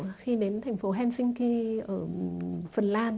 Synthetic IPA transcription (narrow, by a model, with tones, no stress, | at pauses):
xi˧ɗe˨˦nt̪ʰɛ˨˩jŋ̟fo˨˦ɦɛ˧nsï˧ŋ̟ke˧ʔəː˧˩fə˨˩nlaː˧n